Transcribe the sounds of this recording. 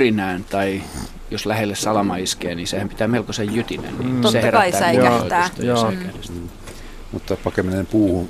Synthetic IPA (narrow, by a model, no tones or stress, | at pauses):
rinæːnt̪ɑi | joslæhelːessɑlɑmɑiskeːniːsehæmpit̪æːmelkosejjyt̪inḛnniseheræɑit̪ːæːoæst̪ɑæ | mut̪ːɑpɑkeminempuːhun